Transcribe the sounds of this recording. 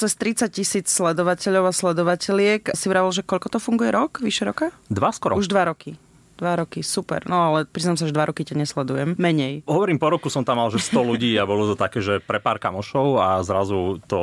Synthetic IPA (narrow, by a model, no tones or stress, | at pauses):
t͡sɛst̪ɾit͡sac̚cisiːt͡sslɛd̪ɔʋacɛʎɔʊaslɛd̪ɔʋacɛlɪɛksiɾaʋilʒɛkɔʎkɔt̪ɔfuŋɡujɛɾɔkʋiʃɛɾɔkad̪ʋaskɔɾɔuʒd̪ʋaɾɔki | d̪ʋaɾɔkisupɛ̰ɾnɔalɛpɾiznaːms̬aʒd̪ʋaɾɔkicaɲɛslɛd̪ujɛmːɛɲɛjɦɔʋɔɾiːmpɔɾɔkusɔmt̪amːalʒɛst̪ɔluɟiːabɔlut̪ɔt̪akɛːʒɛpɾɛpaːɾka̰mɔʃɔʊazɾazut̪ɔ